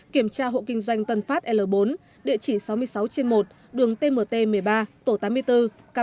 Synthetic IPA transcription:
ki˧˩əmt͡ɕaː˧ɦo̰˧˨kï˧ŋ̟zwa˧jŋ̟t̪ə˨˩nfaː˦˥t̚ʔɛ˧ləː˨˩ɓo˨˦n | ɗḭ˧˨ət͡ɕi˧˩sa˨˦wmɨ˧əjsa˨˦wt͡ɕe˧nmo˨˩t̚ | ɗɨ˨˩əŋt̪e˧məː˨˩t̪e˧mɨ˨˩əjɓaː˧t̪o˧˩t̪aː˨˦mː˧əjt̪ɨ˧ | ka˧

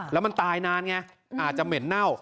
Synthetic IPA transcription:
lɛ˦˥ma˧nt̪aː˧jnaː˦˥nŋɛ˦˥˩ | ʔaː˨˩t̪̚t͡ɕa˨˩mɯ˩˦nːa˥˩w

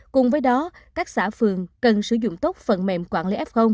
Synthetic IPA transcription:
kʊ˨˩ŋ͡mvəː˨˦jɗɔ˨˦kaː˦˥k̚saː˧˩fɨ˨˩əŋkə˨˩nsɨ˧˩zʊ̰˧˨ŋ͡mt̪o˦˥k͡p̚fə̰˧˨nmɛ̰˧˨mkwaː˧˩nli˨˦ʔɛ˦˥p̚xə˧wŋ͡m

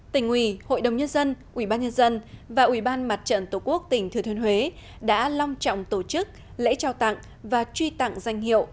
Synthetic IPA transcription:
t̪ï˨˩ŋ̟hwi˧˩ho̰˧˨jɗə˨˩wŋ͡mɲə˧nzə˧nʔi˧˩ɓaː˧nɲə˧nzə˧nvaː˨˩ʔwi˧˩ɓaː˧nma˨˩t̚t͡ɕə̰˧˨nt̪o˧˩ku˦˥ək̚t̪ï˨˩ŋ̟t̪ʰɨ˨˩ət̪ʰənhwe˨˦ | ɗa̰ː˧˥lɔ˧wŋ͡mt͡ɕɔ̰˧˨wŋ͡mt̪o˧˩t͡ɕɨ˦˥k̚ | lḛ˧˥t͡ɕaː˨˩wt̪a̰˧˨ŋ | vaː˨˩t͡ɕwi˧t̪a̰˧˨ŋza˧jŋ̟hḭ˧˨əwʔ

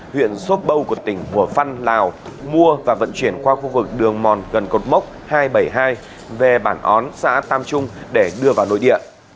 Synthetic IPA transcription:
hwḭ˧˨ənso˦˥t̚ɓə˧wku˧˩ət̪ï˧˩ŋ̟ku˧˩əfa˧nlaː˨˩wmu˧əvaː˨˩və̰˧˨nt͡ɕwi˧˩ənkwaː˧xu˧vɨ˨˩k̚ɗɨ˨˩əŋmɔ˨˩nɣə˨˩nko˨˩t̚mə˦˥wk͡p̚haː˧jɓə˧˩jɦaː˧j | ve˨˩ɓaː˧˩nʔɔ˨˦nsa̰ː˧˥t̪aː˧mt͡ɕʊ˧ŋ͡mɗe˧˩ɗɨ˧əvaː˨˩wno̰˧˨jɗḭ˧˨əʔ

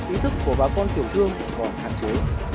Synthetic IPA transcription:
ʔi˨˦t̪ʰɨ˦˥k̚ːu˧˩əɓaː˨˦kɔ˧nt̪ʰi˧˩əwt̪ʰɨ˧əŋ˨˩ɓɔ˨˧˩nha̰ː˧˨nt͡ɕe˨˦j

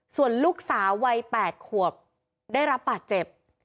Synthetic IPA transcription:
su˨˩ənluː˦˥˩k̚saː˩˦wwa˧jpɛː˨˩t̪̚kʰu˨˩əp̚ | daː˥˩jɾa˦˥p̚bːaː˨˩t̪̚t͡ɕe˨˩p̚

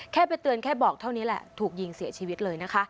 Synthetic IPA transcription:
kʰɛː˥˩pa˧jt̪ɯ˧ənkʰɛː˥˩bɔː˨˩k̚t̪ʰa˥˩wni˦˥lɛ̰˨˩t̪ʰuː˨˩k̚ji˧ŋsi˨˩˦ɐt͡ɕʰiː˧wi˦˥t̪̚lɤː˧jna˦˥kʰa˦˥

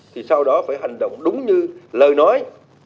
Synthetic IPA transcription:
t̪ʰi˨˩sa˧wɗɔ˨˦faː˧˩jɦa˨˩ŋ̟ɗə̰˧˨wŋ͡mɗʊ˨˦ŋ͡mɲɨ˧ləː˨˩jnɔ˨˦j

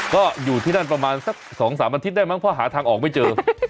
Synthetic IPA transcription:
kɔː˥˩juː˨˩t̪ʰiː˥˩na˥˩npɾa˧maː˧nsa˦˥k̚sɔː˩˦ŋsaː˩˦ma˧nt̪i˦˥t̪̚daː˥˩jma˦˥˩ŋpʰɔ˦˥˩ɦaː˩˦t̪ʰaː˧ŋʔɔː˨˩k̚ma˥˩jt͡ɕɤː˧

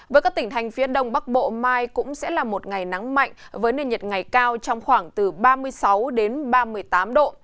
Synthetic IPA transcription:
vəː˨˦kaː˦˥k̚t̪i˧˩ŋt̪ʰjŋ̟fi˨˦əɗə˧wŋ͡mɓa˦˥k̚ɓo̰˧˨maː˧jkʊ̰˧˥ŋ͡msɛ̰˧˥laː˨˩mo˨˩t̚ŋa˨˩jna˨˦ŋma̰˧˨jŋ̟vəː˨˦jnəː˧ɲə˨˩t̚ŋa˨˩jkaː˧wt͡ɕɔ˧wŋ͡mxwaː˧˩ŋt̪ɨ˨˩ɓaː˧mɨ˧əjsa˨˦wɗe˨˦nɓaː˧mɨ˧əjt̪aː˨˦mɗo̰˧˨

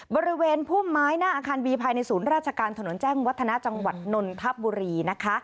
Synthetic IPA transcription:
bɔː˧ɾi˦˥weː˧npʰuː˥˩mːaː˦˥jnaː˥˩ʔaː˧kʰaː˧nbiː˧pʰaː˧jna˧jsuː˩˦nɾaː˥˩t͡ɕʰa˧kaː˧nt̪ʰa˧no˨˩˦nt͡ɕɛː˥˩ŋwt̪ʰːa˧na˦˥ʔt͡ɕa˧ŋwa˨˩t̪̚no˧nt̪ʰa˦˥p̚buː˧ɾiː˧na˦˥kʰa˦˥ʔ

